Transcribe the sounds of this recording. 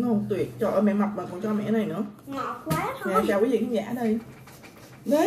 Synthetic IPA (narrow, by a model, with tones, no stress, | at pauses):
o˧˩t̪wi˨˩ət̚t͡ɕɔ˧ʔəː˧˩mɛ̰˧˨ma˨˩wk͡p̚maː˨˩kɔ˧˩t͡ɕɔ˧mɛ̰˧˨na˨˩jnɨ̰˧˥ə˧˨˦ | ɲaː˧˨t͡ɕaː˧wku˧˨˦lḭ˧˨˩kaː˦ŋza̰ː˧˥ɗə˧j | ɗə˨˦